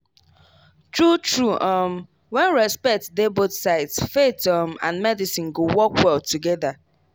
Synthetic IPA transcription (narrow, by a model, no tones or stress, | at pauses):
tɹutɹuʔɔm | wɛ̃nɹɛspɛk̚tdebotsaɪtsfetɔmã̰nmɛdisĩnɡowɔkwɛltuɡɛda